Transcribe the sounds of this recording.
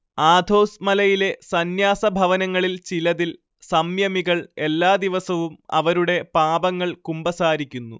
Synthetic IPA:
aːd̪ʱo̞ːsmɐlɐjile̞sɐnjaːsɐbʱɐʋɐnɐŋːɐɭilt͡ɕilɐðil | sɐmjɐmiɣɐɭe̞lːaːd̪iʋɐsɐʋumɐ̰ʋɐɾuɽe̞paːbɐŋːɐɭkumbɐsaːɾikʲːunːu

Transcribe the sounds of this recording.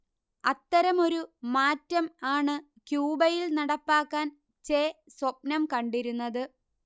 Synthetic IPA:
ɐt̪ːɐɾɐmo̞ɾumaːtːɐmaːɳɨ | kjuːbɐjilnɐɽɐpːaːkːaːn | t͡ɕeːswɐp̚nɐmkɐɳɖiɾunːɐðɨ

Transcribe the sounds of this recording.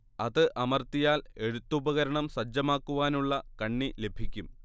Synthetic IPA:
ɐðɨʔɐmɐrt̪ijaːle̞ɽut̪ːubɐɣɐɾɐɳɐmsɐd͡ʑːɐmaːkːuʋaːnuɭːɐkɐɳːile̞bʱikʲːum

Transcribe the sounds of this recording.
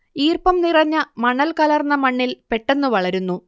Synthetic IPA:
iːrpɐmnirɐɲːɐmɐɳɐlkɐlɐrnːɐmɐɳːilpe̞ʈːe̞nːuʋɐɭɐɾunːu

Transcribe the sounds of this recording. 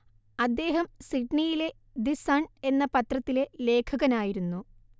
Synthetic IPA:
ɐd̪ːe̞ːɦɐmsiʈɳijile̞ | d̪isaɳe̞nːɐpɐt̪rɐt̪ːile̞le̞ːkʰɐɣɐnaːjiɾunːu

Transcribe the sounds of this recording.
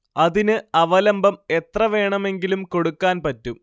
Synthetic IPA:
ɐðinɨɐʋɐlɐmbɐme̞t̪rɐʋe̞ːɳɐme̞ŋɡilumko̞ɽukːaːnpɐtːum

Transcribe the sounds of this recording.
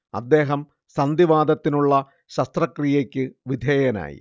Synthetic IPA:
ɐ̰d̪ːe̞ːɦɐm | sɐnd̪iʋaːd̪ɐt̪ːinuɭːɐ | ɕɐst̪rɐkrijekʲːɨʋid̪ʱeːjɐna̰ːjḭ

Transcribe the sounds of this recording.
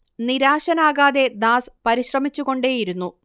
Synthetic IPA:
niɾaːɕɐnaːɣaːðed̪aːspɐɾiɕrɐmit͡ɕːuɣo̞ɳɖeːjiɾunːu

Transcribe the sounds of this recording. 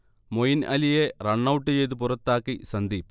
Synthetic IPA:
mojinɐlijerɐɳːɐwuʈːɨt͡ɕe̞jt̪̬up̬urɐt̪ːaːkːisɐnd̪i

